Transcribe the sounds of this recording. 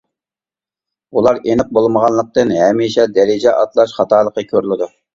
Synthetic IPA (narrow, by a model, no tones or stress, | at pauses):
ulˠɑɾenɪp̚bolˠməʁɑnlˠəq̚t̪ɨnɦɛmiʃɛd̪ɛɾɪd͡ʒɛʔɑt̪lˠɑʃχɑt̪ʰɑːlˠəqəkʲʰøɾlˠɪd̪u